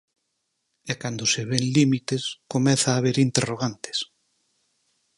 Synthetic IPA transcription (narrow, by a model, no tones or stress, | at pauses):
ɛkand̪oseβeŋlimit̪eskomɛθaːβeɾint̪eroɣ̞ant̪e̥s